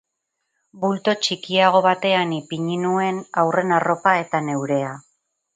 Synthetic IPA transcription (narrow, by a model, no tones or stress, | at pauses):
bult̪o̞t͡ʃikiaɣ̞o̞βat̪e̞anipiɲinue̞nawre̞naro̞pae̞t̪ane̞wɾe̞a